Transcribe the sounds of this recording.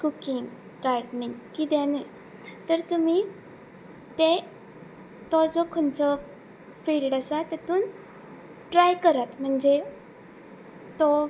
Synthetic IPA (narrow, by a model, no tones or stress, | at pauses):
kukiŋɡ | kaɾɖniŋɡkid̪ane | t̪əɾt̪um̤i | t̪e | t̪ɔd͡zɔkʰont͡sə | fiɭɖasat̪jat̪uːn | ʈɾajkəɾat̪m̤əɳd͡ze | t̪ɔ